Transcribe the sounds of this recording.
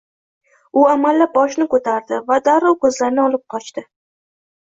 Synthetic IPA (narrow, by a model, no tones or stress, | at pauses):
ʊamalːap̚bɒʃnɪkɵt̪ʰaɾd̪ɪvad̪aɾɒwkʰɵzlaɾnɪɒlˠɪp̚qʰɒt͡ʃt̪ɪ